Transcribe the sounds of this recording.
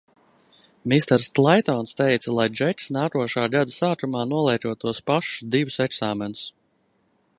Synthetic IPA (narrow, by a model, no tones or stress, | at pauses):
mist̪ɛɾsklˠɛjt̪ɔnst̪ɛjt̪salˠajd͡ʒɛtsnaːkuɔʃaːɡad̪asaːt̪ɾumaːnuɔlˠɛjt̪uɔt̪uɔspaʃu̥sd̪ivusɛksaːmɛnu̥s